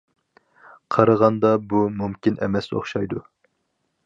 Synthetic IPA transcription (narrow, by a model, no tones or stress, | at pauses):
qʰɑɾəʁɑnd̪ɑbumumkʲinʔɛ̰mɛso̰χʃɑjd̪u